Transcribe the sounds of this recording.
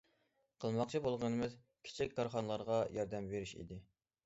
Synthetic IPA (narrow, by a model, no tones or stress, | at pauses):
qʰəlˠmɑqt͡ʃʰibolˠʁənɨmɨz | kʲʰe̥t͡ʃʰikʲkːɑɾχɑnəlˠɑɾʁɑjɑɾd̪ɛmveɾiʃḭd̪ɪ